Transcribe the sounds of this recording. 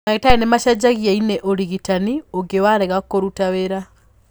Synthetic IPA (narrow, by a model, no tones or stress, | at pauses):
naɣetaenemaʃad͡ʒaɣiaineʔoɾiɣitanioɡewaɾeɣakoɾutaweɾa